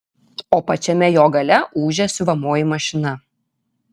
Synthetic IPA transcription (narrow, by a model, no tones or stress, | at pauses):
oːpɐt͡ʃʲɛmʲɛjoːɡɐlʲɛʔuːʒʲɛsʲʊʋɐmoːjɪmɐʃʲɪnɐ